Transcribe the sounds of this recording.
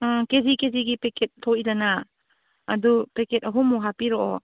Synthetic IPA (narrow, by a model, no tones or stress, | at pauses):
kezikeziɡipeket̚tʰɔizanaː | dupeket̚ɐɦumuɦapiɾɔɔ